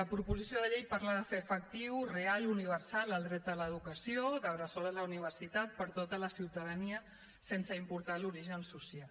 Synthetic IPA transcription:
ləpɾupuzisjoðəʎejpaɾlaðəfefək̚t̪iwrealuniβ̞əɾsaləlˠd̪ɾɛt̪̚d̪ələðukəsioðəβɾəsolələuniβ̞ərsit̪at̪̚pəɾt̪ot̪ələsiwt̪əðəniə | sensəimpuɾt̪aluɾiʒənsusial

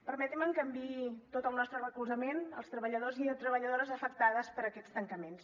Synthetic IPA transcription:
pəɾmɛt̪iməŋkəmbit̪ot̪əlˠnɔst̪ɾərəkuzəmenəlˠst̪ɾəβəʎəðoziət̪ɾəβəʎəðoɾəzəfəkt̪aðəspəɾəkɛt͡st̪əŋkəmens

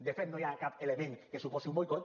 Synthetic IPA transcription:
d̪efet̪nojakapeleβeŋkesuposiumojkot̪

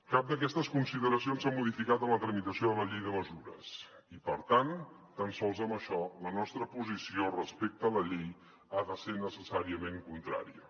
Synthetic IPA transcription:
kap̚d̪əkɛst̪əskunsiðəɾəsionsamuðifikat̪ənlət̪ɾəmit̪əsioðələʎejðəməzuɾə̰s | ipəɾt̪an | t̪ənsɔlˠzəməʃɔlənɔst̪ɾəpuzisiorəspek̚t̪ələʎej | aðəsenəsəsaɾiəmeŋkunt̪ɾa̰ɾiə̰

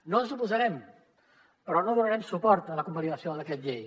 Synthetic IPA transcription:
nonzupuzəɾɛm | pəɾɔnoðunəɾɛmsupɔɾt̪ələkumbəliəsiod̪əkɛt̪̚ʎej

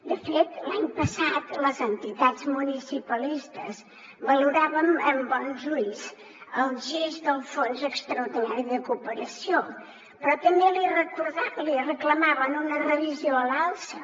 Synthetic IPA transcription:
d̪əfet̪laɲpəsat̪ləzənt̪it̪azmunisipəlist̪əz | βəluɾaβəməmbɔnʒuiz | əlˠʒezd̪əlˠfonzəkst̪ɾəuɾðinaɾiðəkupəɾəsio | pɾɔt̪əmbelirəkuɾðalirəkləmaβənunərəβizioəlalˠsə

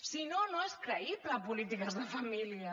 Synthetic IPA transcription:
sinonoeskɾəipləːpulit̪ikəzðəfɐmiliɐ

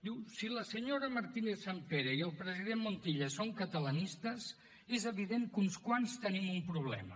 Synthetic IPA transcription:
d̪iwsiləsəɲoɾəməɾt̪inesampeɾəiəlˠpɾəziðemmont̪iʎəsoŋkət̪ələnist̪əs | ezəβiðeŋkunskwanst̪ənimumpɾuβ̞lɛ̰mə̰

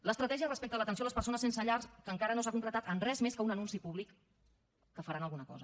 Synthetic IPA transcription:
ləst̪ɾət̪ɛʒiərəspek̚t̪ələt̪əns̬oaləspəɾsonəsensəʎarskəŋkaɾənosakuŋklət̪at̪ənrɛzmeskəunənunsipuβ̞likː | əfəɾanəlˠɣunəkɔ̰zə

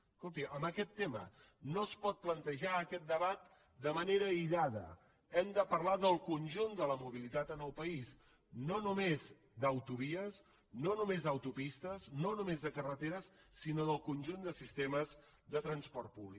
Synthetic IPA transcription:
kolˠt̪̬iʔəmbəkɛt̪ːemə̰ | noəspɔt̪̚plənt̪əʒaəkɛt̪̚d̪əβat̪̚ | d̪əməneɾəiʎaðə̰ | ɛmd̪əpəɾlaðəlˠkunʲʒund̪ələmuβ̞ilit̪at̪ənəlˠpəis | nonumez | d̪əwt̪uβiəs | nonumezðəwt̪upist̪əsnonumezðəkərət̪eɾəsːinoðəlˠkunʲʒund̪əsist̪eməz | ðət̪ɾənspɔɾt̪̚puβlik

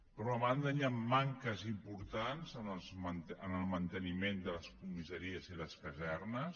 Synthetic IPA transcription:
pɾɔaβand̪əɲamːaŋkəzimpuɾt̪anzənəlˠzmənənəlˠmənt̪ənimend̪ələskumizəɾiəziləskəzɛrnəs

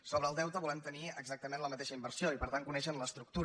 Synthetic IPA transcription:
soβɾəːlˠd̪ɛwt̪əβulɛmt̪əniəɡzak̚t̪əmẽnləmət̪eʃəimbəɾsioipəɾt̪aŋkunɛʃənləst̪ɾuk̚t̪uɾ

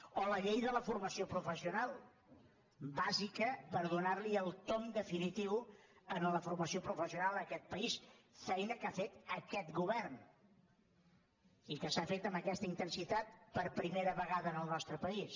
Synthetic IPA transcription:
oləʎejðələfurməsiopɾufəsiunalˠ | bazikəpəɾðunaɾliəlˠt̪omd̪əfinit̪iwənləfuɾməsiopɾufəsiunalˠəkɛt̪̚pəisfɛjnəkafet̪əkɛt̪ɡuβɛrn | ikəsafet̪əmbəkɛst̪əint̪ənsit̪at̪̚pəɾpɾimeɾəβəɣaðəːnəlˠnɔst̪ɾəpəis

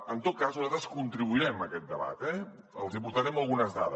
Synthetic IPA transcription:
ənt̪ot̪̚kazzat̪ɾəskunt̪ɾiβuiɾɛməkɛt̪̚d̪əβa̰t̪ɛ | əlˠzipuɾt̪aɾɛməlˠɣunəzðaðə

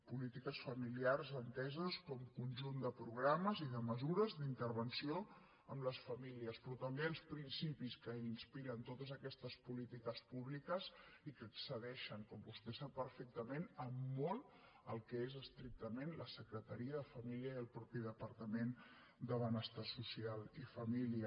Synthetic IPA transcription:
pulit̪ikəsfəmiliarzənt̪ɛzəskɔmkunʲʒund̪əpɾuɣɾaməziðəməzuɾəzd̪int̪əɾβənsio | əmləsfəmiliəspɾɔt̪əmbeəlˠspɾinsipiskəinspiɾənt̪ot̪əzəkɛst̪əspulit̪ikəspuβlikəzikəksəðɛʃəŋkɔmbust̪ɛsapːəɾfɛk̚t̪əmenəmːɔl | əlˠkɛezəst̪ɾik̚t̪əmenləsəkɾət̪əɾiəðəfəmiliəiəlˠpɾɔpiðəpəɾt̪əmen | d̪əβənəst̪asusialˠifəmiliə

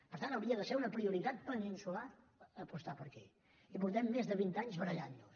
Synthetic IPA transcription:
pəɾt̪anəwɾiəðəseɾunəpɾiuɾit̪at̪̚pəninsula | əpust̪apəɾkɛ | ipuɾt̪ɛmːezðəβint̪aɲzβəɾəʎannus

